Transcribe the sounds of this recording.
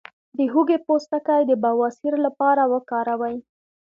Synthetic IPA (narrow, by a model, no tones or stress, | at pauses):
d̪əɦuɡepost̪akajd̪əbawɑsiɾlapɑɾawəkɑɾawəj